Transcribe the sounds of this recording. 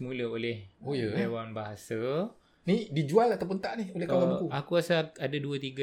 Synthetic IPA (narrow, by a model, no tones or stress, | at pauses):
muləolɛhojəewanbaɦasa | nidid͡ʒualat̪awp̬unt̪aʔniholɛawakuakuasaadaduat̪iɡa